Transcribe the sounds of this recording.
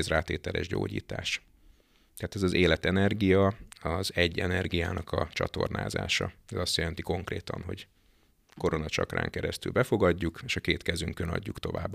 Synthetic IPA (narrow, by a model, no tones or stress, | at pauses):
zraːt̪eːt̪ɛlʔɛ̰ʒɟo̰ːɟḭːt̪aːʃ | t̪ɛat̪ɛzɒzeːlɛt̪ɛnɛrɡijɒɒzɛɟːɛnɛrɡijaːnɒkɒt͡ʃɒt̪o̞rna̰ːza̰ːʃɒɛzɒst̪jɛlɛnt̪iko̞ŋkreːt̪ɒ̰nɦo̞ɟ | ko̞ɾo̞nɒt͡ʃɒkra̰ːŋkɛɾɛst̪ylbɛfo̞ɡɒɟːukeːʃɒkeːt̪kɛzyŋkønɒ̰ɟːukt̪o̞vaːbː